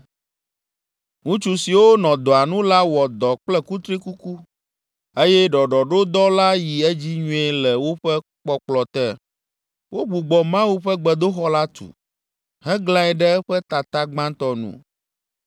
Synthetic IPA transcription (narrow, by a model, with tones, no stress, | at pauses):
ŋũ˦t͡ʃu˨si˨wo˦nɔ̃˨d̪ɔ˨a˨nũ˦la˦wɔ˨d̪ɔ˨k͡plɛ˦ku˦t̪ɾi˦ku˦ku˦ | e˦jɛ˦ɖɔ˨ɖɔ˨ɖo˦d̪ɔ˦la˦ji˨ɛ˦d͡ʑi˦ɲũ˦ɛ˦˨lɛ˨wo˦ɸɛ˦k͡pɔ˦k͡plɔ˨t̪ɛ˦˨ | wʔo˦ɡ͡bu˨ɡ͡bɔ˨mã˦wu˦ɸɛ˦ɡ͡bɛ˨d̪o˦xɔ˦la˦t̪ṵ˨ | ɦɛ̃˦ɡlã˦ɛ˨ɖɛ˦ɸɛ˦t̪a˨t̪a˦ɡ͡bã˦t̪ɔ˦nṵ̃˦